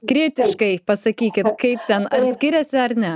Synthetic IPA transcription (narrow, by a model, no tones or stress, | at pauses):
kɾʲiɛt̪ʲɪʃkɐɪpɐsɐkʲiːkʲɪt̪kɐɪpt̪ʲɛnɐt̪ʲsʲkʲɪɾʲɛsʲɪɐɾnʲɛ